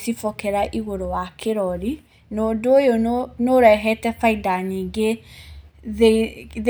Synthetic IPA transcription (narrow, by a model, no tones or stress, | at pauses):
sifɔkɛɾaʔiɣoɾowakʰeɾɔɾi | noːdoːjonnoɾɛɦɛtɛfaidaniɡe | ðeð